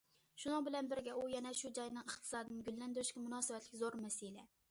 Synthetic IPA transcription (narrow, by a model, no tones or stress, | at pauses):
ʃunɨŋbɪlɛnbɪɾɡʲɛujɛnɛʃud͡ʒɑjnɨŋəχt̪ʰɨ̥sɑːd̪ɨnɡʲylːɛnd̪yɾyʃkʲɛmunɑːsɨvɛt̪lɪkʲzoɾmɛselɛ